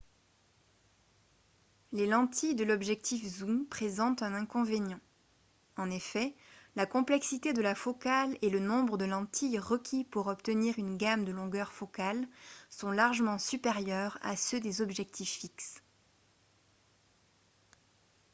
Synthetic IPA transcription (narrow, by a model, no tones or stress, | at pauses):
lelɑ̃t̪ʰijd̪əlɔbʒɛk̚t̪ifzumpχezɑ̃t̪ɛ̃nɛ̃kɔ̃venjɑ̃ | ɑ̃nefɛlakɔ̃plɛksit̪ed̪əlafɔkalelənɔ̃bʁəd̪əlɑ̃t̪ʰijʁəkʲʰipuʁɔpt̪əniʁynɡamd̪əlɔ̃ɡœʁfɔkalsɔ̃laʁʒəmɑ̃sypeʁjœʁa̰sød̪ezɔbʒɛk̚t̪ʰifːiks